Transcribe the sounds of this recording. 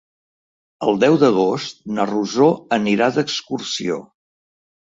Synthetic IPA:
əlˠd̪ɛwd̪əɣ̞ost̪̚nəruzoəniɾad̪əkskursio̰

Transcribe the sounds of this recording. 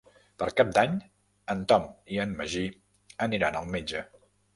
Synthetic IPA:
pəɾkap̚d̪aɲ | ənt̪ɔmiənːəʒi | əniɾanəlˠmed͡ʒə

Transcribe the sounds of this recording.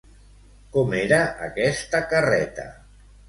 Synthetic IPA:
kɔmeɾaʔa̰kɛst̪akarɛt̪a̰

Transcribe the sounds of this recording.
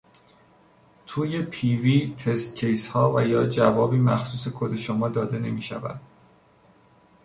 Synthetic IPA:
t̪ʰuːje̞pʰiviːt̪ʰe̞st̪cʰe̞jshɒːvæjɒːd͡ʒævɒːbiːmæ̰xsuːse̞kʰod̪e̞ʃomɒːd̪ɒːd̪e̞ne̞miːʃæ̰væ̰d̪̥

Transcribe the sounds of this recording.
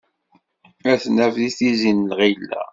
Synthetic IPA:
æθnævðiθizinlʁilːæ̰

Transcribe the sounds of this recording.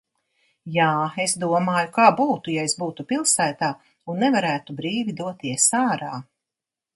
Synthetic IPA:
jaːesd̪uɔmaːjukaːbuːt̪ujaesbuːt̪upilˠsæːt̪aː | unːɛvaɾæːt̪ubɾiːvʲid̪uɔt̪iɛsaːɾaː

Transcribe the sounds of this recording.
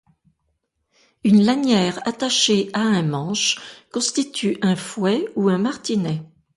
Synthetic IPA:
ynlanjɛːʁa̰t̪aʃeaɛ̃mɑ̃ʃkɔ̃st̪it̪ʰyʔɛ̃fwɛuɛ̃maʁt̪inɛ

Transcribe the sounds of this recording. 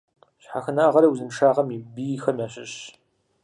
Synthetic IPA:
ɕħaxɨnaːʁɐɾɐwzɨnʂaːʁɐmibijxɐmʲaːɕɪɕ

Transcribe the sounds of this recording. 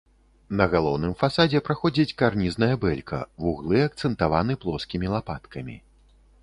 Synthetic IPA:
nɐɣalˠɔwnɨmfasad͡zʲɛpɾaxɔd͡zʲit͡sʲkarnʲiznɐjɐbɛlʲkʰɐ̰vuɣlˠɨɐk̚t̪sɛnt̪avanɨplˠɔskʲimʲilˠapat̪kʰɐmʲḭ

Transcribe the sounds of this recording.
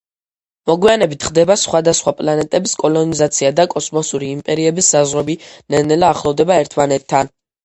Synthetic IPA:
mɔɡwianɛbit̪ʰχd̪ɛbasχwad̪asχwapʼlanɛt̪ʼɛbiskʼɔlɔnizat̪sʰiad̪akʼɔsmɔsuɾiːmpʼɛɾiɛbisːazʁwɛbinɛnɛlaːχlˠɔvd̪ɛbaɛɾt̪ʰmanɛt̪ʰːan

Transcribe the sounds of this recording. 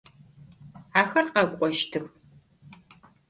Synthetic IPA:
aːxɐrqɐkʷʼɔʃtʰɨx

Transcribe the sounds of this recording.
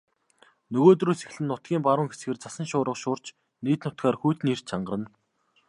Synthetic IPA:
nɵɣoːt̪̬ruːse̥x̆ɮɘ̆nːʊt̪̚ɡ̥ʲiːmpaɾʊːŋxesɡeːrt͡sasə̆nʃʊːɾə̆qʃʊːr̥t͡ɕ | niːt̪nʊt̪̚ɡaːrxujt̪nir̥t͡ɕʰaɴɢə̆rə̆n

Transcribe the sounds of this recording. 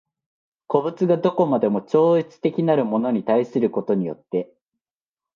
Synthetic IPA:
ko̞bɯ̟t͡sɨɡad̪o̞ko̞mad̪e̞mo̞t͡ɕo̞ːit͡sɨ̥t̪e̞kʲinaɾɯ̟mo̞no̞ɲ̟it̪aisɨɾɯ̟ko̞t̪o̞ɲ̟ijo̞̰t̪ːe̞

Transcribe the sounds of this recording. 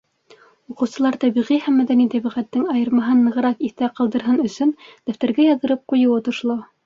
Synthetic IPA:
uqɤ̆wsɤ̆lˠɑɾt̪æβiʁihæmːæðænit̪æβiʁæt̪ːɘŋɑjɤ̆ɾmɑɦɤnːɤ̆ʁɤ̆ɾɑkiθt̪æqɑlˠd̪ɤ̆ɾɦɤnɵ̆sɵnd̪̥æft̪æɾɡæjɑðɤ̆ɾɤp̚qujɤ̆wɤt̪ŏʃlˠo

